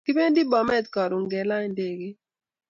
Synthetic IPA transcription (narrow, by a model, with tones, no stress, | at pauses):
kɪ˦pe˦n˦di˦bɔ˨mɛ˦t̪kɔ˨ɾʊ˨ŋɡɛ˨la˦nde˨ɡi˦